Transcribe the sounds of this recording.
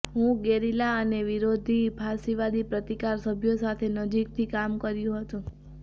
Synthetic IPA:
ɦũɡeɾilaəneʋiɾod̪ʱipʰasiʋad̪ipɾət̪ikaɾsəbʱjosat̪ʰenəd͡ʒik̚t̪ʰikamkəɾjũɦət̪ũ

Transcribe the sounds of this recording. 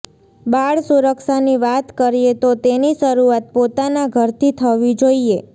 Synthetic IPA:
baɭsuɾəkʃaniʋat̪kəɾijet̪ot̪eniʃəɾuat̪̚pot̪anaɡʱəɾt̪ʰit̪ʰəʋid͡ʒoie

